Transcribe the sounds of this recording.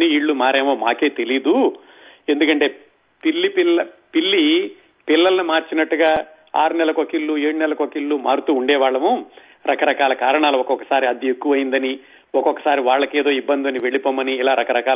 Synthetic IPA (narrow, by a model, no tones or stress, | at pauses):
niiːɽːumaːɾeːmoːmaːke̞ːt̪elid̪u | end̪ukɐɳʈe̞ː | pilːipiɐpilːi | pilːɐlɐnumaːɾt͡ʃinɐʈːuɡaː | a̰ːɾunɛlɐkokiɭːueːɽunɛlɐkokiɭːumaːɾut̪uːɳɖɛːʋaːɭːɐmu | ɾɐkɐɾɐkaːlɐkaːɾɐɳaːluɔkɔkɐ̥saːɾiɐd̪iekːuʋɐjind̪ɐni | ɔkɔkːɐ̥saːɾiʋaːɭːɐkeːd̪o̞ːibːɐnd̪iʋɐniʋe̞ɭipoːmɐniːlaːɾɐkɐɾɐkaː